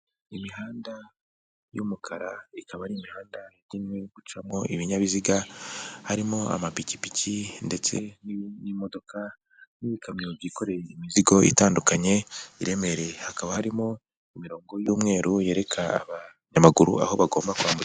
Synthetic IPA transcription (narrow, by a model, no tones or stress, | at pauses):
imiɦaːnda | jumukʰaɾaikaβaɾimihaːndaɾimweɡ̥ut͡ʃamŋo̞ʔiβiɲaβiziɡahaɾimo̞a̰mapici̥picʰinde̞t͡se̞ninimo̞do̞kʰa | niβikʰamɲovjiko̞ɾe̞jimiziɡo̞ʔḭtaːndukaɲe̞iɾe̞me̞ɾe̞hakaβahaɾimo̞ | imiɾo̞ːŋɡo̞juːmŋe̞ːɾuje̞ːɾe̞kʰa̰ːβa | ɲamaɡuɾṵa̰ho̞βaɡo̞ːmbakwaːmbut͡s